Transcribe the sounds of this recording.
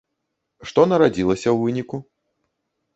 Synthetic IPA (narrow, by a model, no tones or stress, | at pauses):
ʂt̪ɔnɐɾad͡zʲilˠɐsʲɐwvɨnʲiku